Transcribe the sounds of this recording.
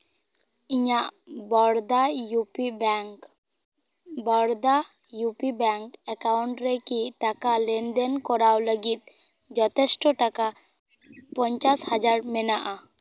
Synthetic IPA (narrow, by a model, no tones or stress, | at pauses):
iɲaʔbɔɽd̪ajup | bɔɽd̪a | jupibɛŋkɛkawɳʈɾɛkiʈakalɛnd̪ɛnkɔɾawləɡit̪̚ | d͡ʒɔt̪ɛsʈɔʈaka | pɔɲt͡ʃashad͡ʒaɾmɛnaʔa